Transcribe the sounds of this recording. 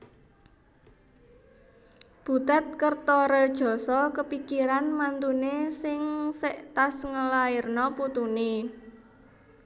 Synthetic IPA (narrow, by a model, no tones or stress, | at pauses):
b̥ṳt̪at̪̚kərt̪ɔɾəd̥ʒ̥ɔ̤sɔkəpikiɾanmant̪unesɪŋsɛʔt̪asŋəlairnɔput̪une